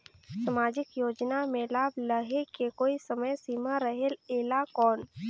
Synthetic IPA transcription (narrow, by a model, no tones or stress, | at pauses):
səmaːd͡ʒɪkjoːd͡ʒnamelaːbləɦekekoːisəməjsiːmaɾəɦeleːlakɔːn